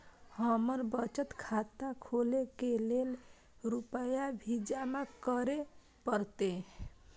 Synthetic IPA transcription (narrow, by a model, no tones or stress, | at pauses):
həməɾbət͡ʃət̪kʰat̪akʰolekelel | ɾupəjabʱid͡ʒamakəɾe | pəɾt̪e